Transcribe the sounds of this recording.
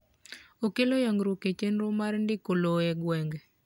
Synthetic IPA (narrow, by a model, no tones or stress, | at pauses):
okelojɔŋɡɾoket͡ʃenɾomaɾndɪkoloɛɡwɛŋɡ